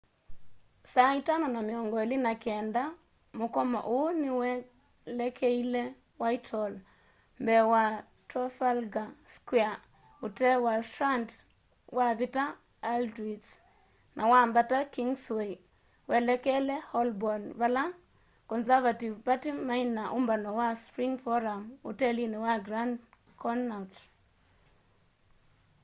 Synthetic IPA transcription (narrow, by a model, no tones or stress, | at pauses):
saitanɔnameɔŋɡɔelinakɛːnda | mokɔma̰ʔonɪwɛ | lɛkʰɛilɛ | waitʰɔl | mbɛwa | tɾɔfalɡaskwɛa | otɛwatɾant | wʔaβita | aldɾis | nʔawambatakiŋswej | wɛlɛkɛlɛhɔlbɔnbala | kɔnsavativpatimainaʔʊmbanɔwaspɾiŋfɔɾamṵtɛlinɛwaɡɾand | kɔnat